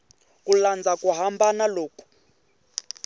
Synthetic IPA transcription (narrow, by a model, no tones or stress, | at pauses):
kuland͡zʱakʼuɦambanaloːkʼu̥